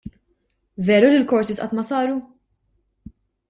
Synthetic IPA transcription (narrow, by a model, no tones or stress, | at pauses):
vɛːɾulilkɔɾsisʔɐ̰ːt̪mɐsɐːɾu